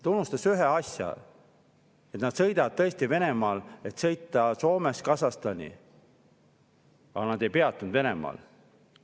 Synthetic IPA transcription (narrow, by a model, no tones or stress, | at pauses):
t̪unːust̪ɑsyɦeɑsʲjɑ̰ | e̞t̪nɑd̪̥sɤ̞jd̪ɑd̪̚t̪ɤ̞est̪ive̞ne̞mɑːle̞t̪sɤ̞jt̪ːˑɑso̞ːmeskɑsɑst̪ɑnʲḭ | ɑ̰nɑd̪̥e̞jpe̞ɑt̪ːˑund̪ve̞nemɑ̰ːl